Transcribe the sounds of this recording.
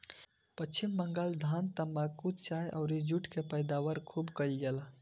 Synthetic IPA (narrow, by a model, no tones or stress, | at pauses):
pət͡ʃʰimːəŋɡəld̪ʱant̪əmbakut̪t͡ʃajʔa̰ʊɾid͡ʒuʈʰkepəjd̪awəɾkʰubkəjlɡela